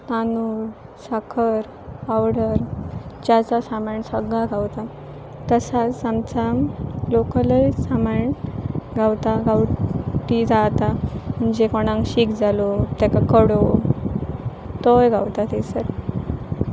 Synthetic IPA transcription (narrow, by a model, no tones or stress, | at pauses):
t̪anuɾ | sakʰəɾ | pawɽəɾd͡ʑjat͡sasamaɳsəɡɭaɡʱawt̪a | t̪əsat͡samt͡samlokələjsamaɳɡʱawt̪aɡawʈid͡zat̪am̤əɳd͡ʑekɔɽ̃ãŋkɕikd͡zalot̪akakəɽo | t̪ɔjɡawt̪at̪esəɾ